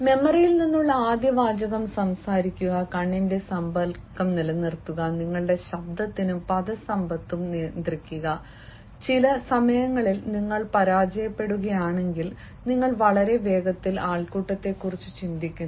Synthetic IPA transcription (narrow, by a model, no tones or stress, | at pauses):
me̞mɐrijilninːuɭːɐaːd̪jɐʋaːd͡ʑɐɣɐmsɐmsaːɾikʲːuɣɐkɐɳːinde̞sɐmbɐlkːɐmnilɐnirt̪ːuɣɐniŋːɐɭɨɽe̞ɕɐbd̪ʱɐt̪ːinupɐðɐsɐmbɐt̪ːumneːnd̪rikʲːuɣɐ | t͡ɕilɐsɐmɐjɐŋːɐɭilniŋːɐɭpɐɾaːd͡ʑɐjɐpːe̞ɽuɣɐjaːɳe̞ŋɡil | niŋːɐɭʋɐɭɐɾe̞ʋe̞ːɡɐt̪ːilaːɭkuːʈːɐt̪ːe̞kːurit͡ɕːut͡ɕind̪ikʲːun